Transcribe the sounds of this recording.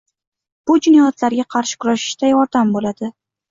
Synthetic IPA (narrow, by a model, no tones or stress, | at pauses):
b̥ʊd͡ʒʊnajat̪laɾɡʲaqʰɑɾʃɪ̥kʰʊɾaʃɪ̥ʃt̪ajɒɾd̪ambolad̪̥ɪ